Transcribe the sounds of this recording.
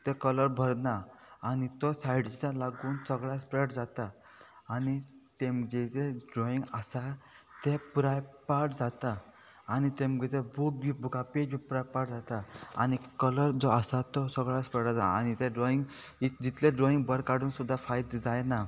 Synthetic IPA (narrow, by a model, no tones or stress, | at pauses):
t̪ekələɾbʱəɾnaanit̪ɔsajɽt͡salaɡuːnsəɡɭaspɾeʈd͡zat̪aː | nit̪emd͡ʑet̪eɖɾoĩŋɡəsa | t̪epuɾajpaʈd͡zat̪aː | nit̪emɡit̪ebʱuk̚ibʱukʰaped͡ʑbipɾajpaʈd͡zat̪aa̰nikələɾd͡zɔəsat̪ɔsəɡɭaspɾeɽad͡zaanit̪eɖɾoiŋɡ | id͡ʑit̪leɖɾɔiŋɡbəɾkaɽuːnsud̪ʱːafajd̪d͡zajna